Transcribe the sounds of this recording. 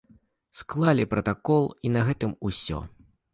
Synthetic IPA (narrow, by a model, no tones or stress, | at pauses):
sklˠalʲipɾɐt̪akɔlˠinɐɣɛt̪ɨmusʲɔ̰